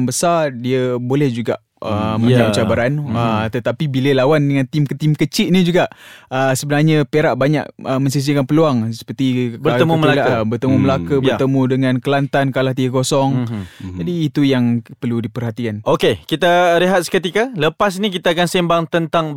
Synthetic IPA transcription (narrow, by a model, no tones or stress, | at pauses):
mbəsardiəbolɛhd͡ʒuɡaʔ | əməɲaʔt͡ʃabaɾanət̪ət̪apibiləlawandəŋãnt̪imkt̪imkət͡ʃiʔ̪̚nid͡ʒuɡaʔəsəbənarɲəpeɾaʔbaɲa̰ʔ̚əmə̃ɲsis̬ikanpəluaŋsə̥pərt̪ikbəɾəmuməlaabərt̪əmuməlakəbərt̪əmũdəŋãnkəlant̪ankalaht̪iəkosɔŋd͡ʒadiːt̪ujaŋpərludipərhat̪ikanʔokekit̪aɾeɦat̪̚skət̪ikaləpas̬nikit̪aːkansimbaŋt̪ənt̪aŋ